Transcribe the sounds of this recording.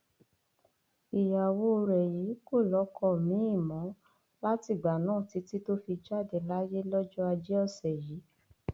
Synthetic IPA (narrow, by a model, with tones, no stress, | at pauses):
i˨ja˨wo˦˧ɾɛ˨ji˨˦ko˦˨lɔ˨˦kɔ˦˨mĩ˨˦i˦˨mɔ̃˨˦ | la˦ti˦˨ɡ͡ba˨nãː˦˨ti˨˦ti˦to˦fi˧d͡ʒa˦˨de˨la˦je˦lɔ˦d͡ʒɔ˦a˧d͡ʒɛ˦ɔ˦˨sɛ˨ji˨˦